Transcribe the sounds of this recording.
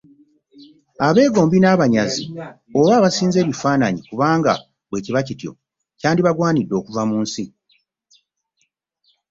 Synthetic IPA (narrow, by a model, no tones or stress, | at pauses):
aβe̞ːɡo̞ːmbinaːβaɲazi | o̞βaːβasiːnze̞ːβifaːnaɲikuβaːŋɡa̰ | βwe̞ːciβacitjo̞̰ | caːndiβaɡwaːnidːo̞ːkuvamuːnsi